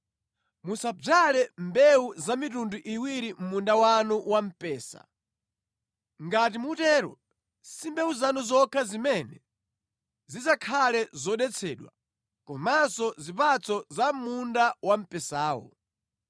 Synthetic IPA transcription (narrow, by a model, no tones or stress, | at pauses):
musab͡ʐalɛmbɛuzamitunduʔiwiɾim̩mundawanuwam̩pɛːsa̰ | ŋɡat̬imutɛːɾɔ̰ | simbɛuzanuzɔkʰazimɛnɛ | zizakʰalɛzɔɗɛt͡sʰɛːɗwa̰ | kɔmasɔzipat͡sʰɔzam̩mundawam̩pɛsaːwɔ̰